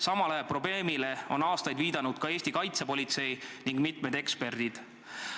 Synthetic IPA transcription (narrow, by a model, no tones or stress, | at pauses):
sɑmɑlɑepro̞ble̞ːmile̞o̞̰nɑːst̪ɑjd̪viːd̪̥ɑnud̪̥kɑe̞ːsʲt̪ikɑjt̪se̞po̞lʲit̪se̞jniŋɡ̥mit̪ˑmed̪̥e̞kspe̞rd̪̥id̪̥